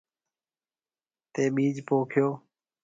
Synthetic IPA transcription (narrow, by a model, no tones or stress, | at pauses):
t̪eːɓiːd͡ʒpoːkʰjoː